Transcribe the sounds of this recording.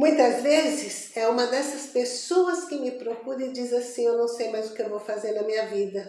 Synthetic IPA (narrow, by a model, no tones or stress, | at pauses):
mũj̃t̪ɐzvezɪsɛũmɐd̪ɛsɐspesoɐskɪmɪpɾokuɾẽd͡ʒizasĩewnɐ̃w̃sejmajzd̪ʊkɪewvowfazeɾnɐmĩɲɐvid̪ɐ